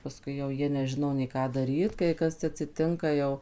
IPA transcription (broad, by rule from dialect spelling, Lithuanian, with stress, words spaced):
pɐˈskʊɪ jɛʊ ˈjiɛ nʲɛˈʒʲɪnoː nʲɛɪ ˈkɑː dɐˈrʲiːt kɐɪ ˈkɐs ɐtʲsʲɪˈtʲɪŋkɐ jɛʊ